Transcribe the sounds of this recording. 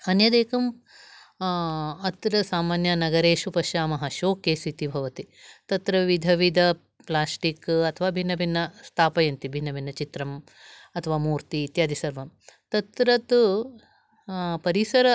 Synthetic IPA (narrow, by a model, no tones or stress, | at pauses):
ɐnjɐd̪eːkɐm | ɐt̪ɾɐsaːmaːnjɐnɐɡɐɾeːʃupɐʃjaːmɐɦɐʃoːkeːsit̪ibʱɐʋɐt̪i | t̪ɐt̪ɾɐʋid̪ʱɐʋid̪ʱɐ | plaːsʈikɐt̪ʰɐʋaːbʱinːɐbʱinːɐst̪ʰaːpɐjɐnt̪ibʱinːɐbʱinːɐt͡ʃit̪ɾɐm | ɐt̪ʰɐʋaːmuːɾt̪iːt̪jaːd̪isɐɾʋɐmt̪ɐt̪ɾɐt̪u | pɐɾisɐɾɐ